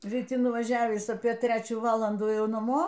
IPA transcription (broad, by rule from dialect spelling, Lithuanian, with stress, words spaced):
rʲiːˈtʲɪ nʊʋɐˈʒʲæːʋʲiːs ɐpʲiɛ ˈtʲrʲæːt͡ʃʲuː ˈʋɑːlˠɐnduː ˈjɛʊ nɐˈmoː